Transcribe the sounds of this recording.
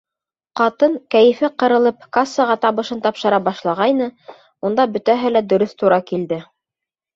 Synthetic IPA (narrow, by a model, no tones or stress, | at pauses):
qɑt̪ɤŋkæjɘ̆fɘqɤ̆ɾɤ̆lˠɤp̚kasːɤʁɑt̪ɑβɤ̆ʃɤnt̪ɑpʃɤ̆ɾɑbɑʃlˠɑʁɑjnɤ | und̪ɑbɵ̆t̪æɦɘlæd̪ɵ̆ɾɵθt̪uɾɑkild̪ɘ